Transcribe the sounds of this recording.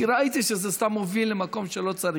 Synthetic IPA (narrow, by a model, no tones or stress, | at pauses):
iɾait̪iʃezest̪amːovilːemako̞mʃelo̞t͡saɾi